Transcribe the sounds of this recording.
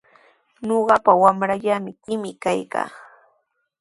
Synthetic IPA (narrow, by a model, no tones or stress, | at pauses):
ɲoɢɑpawamɾaʎamɪkɪmɪkajka̰ː